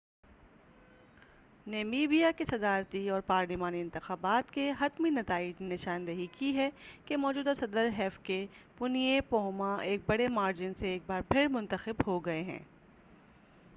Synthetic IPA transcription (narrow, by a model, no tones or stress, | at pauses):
neːmiːbijakesɐd̪aːɾt̪iɔːɾpaːɾlimaːniɪ̃nt̪ɪxaːbaːt̪keɦɐt̪minɐt̪aːɪd͡ʒnenɪʃaːnd̪eɦikiɦɛkemɔːd͡ʒuːd̪asɐd̪əɾɦɛːfkepʊnijepoːɦmaeːk̚bɐɽemaːɾd͡ʒɪnseeːk̚baːɾpʰɪɾmʊ̃nt̪əxɪbhoɡɐeɦɛ̰̃ː